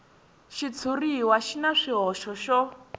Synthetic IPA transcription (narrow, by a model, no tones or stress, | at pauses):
ʃit͡sʰuriwaʃinaʂiɦɔʃɔʃɔ